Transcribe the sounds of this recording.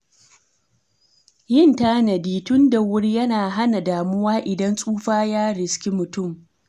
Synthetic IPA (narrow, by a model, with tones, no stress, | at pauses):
jɪ˦ntaː˦nɐ˨diː˦tʊ˦nda˨wʊ˦ɽjɐ˦naː˨ɦa˦na˨daː˨mʊ˦waː˦ʔɪ˨dɐ˦nsʼuː˦ɸaː˦jaː˦ɽɪ˨skʲi˦mʊ˨tʊ˦˨m